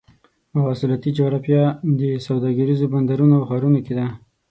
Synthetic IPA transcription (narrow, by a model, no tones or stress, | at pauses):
mawɑsɪlat̪id͡ʒoɾafjɑd̪əsawd̪ɑɡaɾizoband̪aɾunoxɑɾunoked̪a